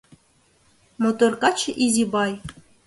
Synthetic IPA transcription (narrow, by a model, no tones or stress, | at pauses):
mot̪orkɑt͡ɕʔizʲibɑj